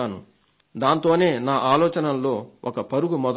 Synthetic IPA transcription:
aːnu | d̪aːnt̪o̞ːne̞ːnaːʔaːlɔːt͡ʃɐnɐnlːo̞ːʔɔkɐpɐɾuɡumɔd̪

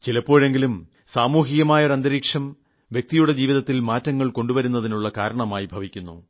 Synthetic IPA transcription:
t͡ɕilɐpːo̞ːɻe̞ŋɡilum | saːmuːɦiɣɐmaːjɐoɾɐnd̪ɐɾiːkʂɐm | ʋjek̚t̪ijuɽe̞d͡ʑiːʋiðɐt̪ːilmaːtːɐŋːɐɭko̞ɳɖuʋɐɾunːɐðinuɭːɐkaːɾɐɳɐmaːjibʱɐʋikʲːunːṵ

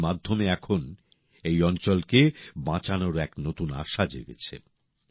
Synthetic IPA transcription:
mad̪ʱːomeɛkʰon | ejɔnt͡ɕolkebãt͡ɕanoɾɛknot̪una̰ʃad͡ʑḛɡḛt͡ɕʰḛ

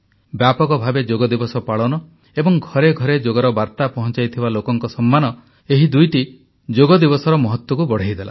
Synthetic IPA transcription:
bjapɔkɔbʱabed͡ʒoɡɔd̪ibɔsɔpaɭɔnɔ | ebɔŋɡʱɔɾeɡʱɔɾed͡ʒoɡaɾɔbaɾt̪apɔɦɔnt͡ʃajt̪ʰibalokɔŋkɔsɔmːanɔ | eɦid̪ujʈi | d͡ʒoɡɔd̪ibɔsɔɾɔmɔɦɔt̪wɔkubɔɽ̤ejd̪ela̰

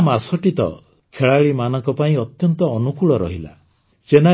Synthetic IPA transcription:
masɔʈit̪ɔ̰ | kʰeɭaɭimanɔŋkɔpaĩɔt̪jɔnt̪ɔːnukuɭɔɾɔ̰ɦila̰ | sena

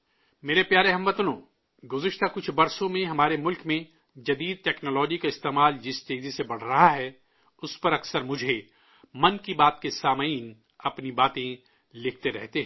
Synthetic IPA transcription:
meːɾepjaːɾeɦɐ̃mʋɐt̪nõ̰ː | ɡʊzɪʃt̪akʊt͡ʃʰbɐɾsõmẽɦɐmaːɾemʊlkmẽ | d͡ʒɐd̪iːd̪̚ʈɛːknoːlɔːd͡ʒikaɪst̪eːmaːld͡ʒɪst̪eːzisebɐɽ̤ɾɐɦaɦɛ | ʊspɐɾɐksəɾmʊd͡ʒʱe | mɐnkibaːt̪̚kesaːməiːn | ɐpnibaːt̪ẽ | lɪkʰt̪eɾɛɦt̪eɦɛ̃ː

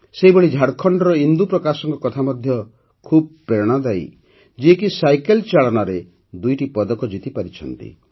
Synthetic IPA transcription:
seɦibɔɭid͡ʒʱaɽkʰɔɳɖɔɾɔind̪upɾɔkasɔŋkɔkɔt̪ʰamɔd̪ʱjɔ | kʰub̚peɽ̃ɔd̪aj | d͡ʒiekisajkelt͡ʃaɭɔnaɾe | d̪ujʈipɔd̪ɔkɔd͡ʒit̪ipaɾit͡ʃʰɔ̰nt̪ḭ

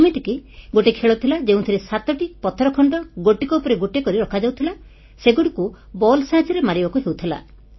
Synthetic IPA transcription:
miʈʰikiɡoʈekʰeɭɔt̪ʰilad͡ʒẽũt̪ʰiɾisat̪ɔʈipɔt̪ʰɔɾɔkʰɔɳɖɔɡoʈikɔupɔɾeɡoʈekɔɾiɾɔkʰad͡ʒawt̪ʰila | seɡoɽiku | bɔlsaɦad͡ʒɔɾemaɾibakuɦewt̪ʰila̰

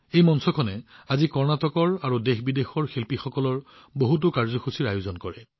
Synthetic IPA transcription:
ejmɔnsɔkʰɔnɛazikɔɹnatɔkɔɹaɹudexbidexɔɹxilpixɔkɔlɔɹ | boɦut̬ʊkaɹzɔxʰusiɹajʊzɔnkɔɹɛ

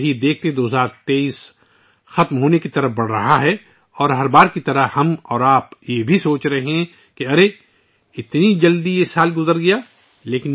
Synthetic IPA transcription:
ɦid̪eːk̚ʰt̪eɦɛ̃d̪oːɦəzaːɾt̪eːiːs | xɐt̪mɦoːnekit̪ɐɾəbɐɽ̤ɾɐɦaɦɛ | ɔːɾɦɐɾbaːɾkit̪ɐɾəhɐmɔːɾaːpjebʱisoːt͡ʃɾɐɦeɦɛ̃ | keɐɾe | ɪt̪nid͡ʒɐld̪iesaːlɡʊzəɾɡɐjaː | leːkɪn

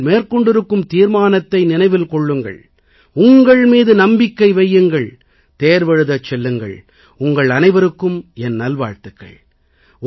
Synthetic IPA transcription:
meːɾkɔɳɖɪɾɯkːɯmt̪iːɾmaːnɐt̪ːɐɪnɪnɐɪʋɪlkɔɭːɯŋɡɐ̰ɭ | ʊŋɡɐɭmiːðɯnɐmbɪkːɐɪʋɐjːɯŋɡɐɭ | t̪eːɾʋɛɻɯðɐt͡ʃːɛlːɯŋɡɐ̰ɭ | ʊŋɡɐɭɐnɐɪʋɐɾɯkːɯmɛnːɐlʋa̰ːɻt̪ɯkːɐ̰ɭ

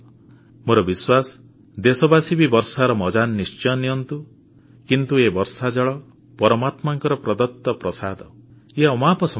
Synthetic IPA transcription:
moɾɔbiswas | d̪esɔbasibibɔɾsaɾɔmɔd͡ʒanːist͡ʃɔniɔnt̪u | kint̪uebɔɾsad͡ʒɔɭɔ | pɔɾɔmat̪maŋkɔɾɔpɾɔd̪ɔt̪ːɔpɾɔsad̪ʱɔ | eɔmapɔsɔ

